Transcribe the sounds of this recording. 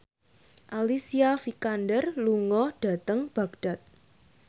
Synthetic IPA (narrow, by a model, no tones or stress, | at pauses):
ʔalisiafikandərluŋɔɖ̥a̤t̪əŋb̥a̤ɡ̚ɖ̥a̤t̪̚